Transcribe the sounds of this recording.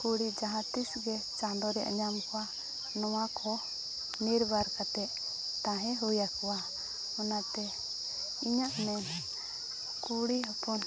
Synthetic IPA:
kuɽid͡ʒaɦãt̪isɡɛt͡ʃãnd̪ɔɾɛʔa̰ɲamkɔwa | nɔwakʰɔ | niɾbaɾkat̪ɛʔ | t̪ãɦɛ̃ɦujakɔwa | ɔnat̪ɛ | iɲaʔmɛn | kuɽiɔpɔn

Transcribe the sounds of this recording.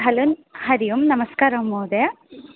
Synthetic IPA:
ɦɐlunhɐɾijumnɐmɐskaːɾɐmoːd̪e

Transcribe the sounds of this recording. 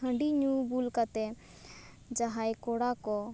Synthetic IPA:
ɦə̃ɳɖiɲubulkat̪ɛ | d͡ʒaɦajkoɽakɔ

